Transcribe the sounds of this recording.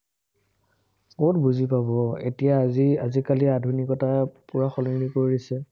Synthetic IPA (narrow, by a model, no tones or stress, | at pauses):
kotbuzipabɔḛtijaiazikaliadʱunikɔtapuɹaxɔlinikoɹisɛ